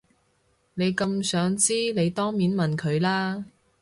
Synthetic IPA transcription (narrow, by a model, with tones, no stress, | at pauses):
ne˨˧jkɐ˧msœː˨˥ŋt͡siː˥ne˨˧jt̪ɔː˥ŋmiː˨˥nmɐ˨nkʰɵ˨˧ɥlaː˥